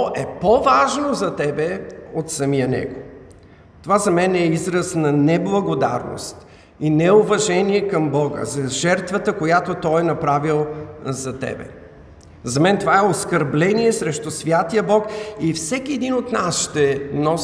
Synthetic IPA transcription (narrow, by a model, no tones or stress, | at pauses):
ʔɛpovaʒnozɐt̪ɛbɛot̪sɐmijənɛ̰ɡo | t̪ovazɐmɛnːizɾəsnɐnɛblˠɐɡod̪a̰ɾno̰st̪ | inɛovɐʒɛniɛkɐmbɔɡə̰zɐʒɛɾt̪vət̪əkojat̪ot̪ɔjɛnɐpɾavilˠzɐt̪ɛ̰bɛ̰ | zɐmɛnt̪ovaɛoskəɾblɛniɛsɾɛʃt̪ʊsvʲjat̪ijəbɔkifsɛk̟iɛd̪inot̪nasʃt̪ɛnɔ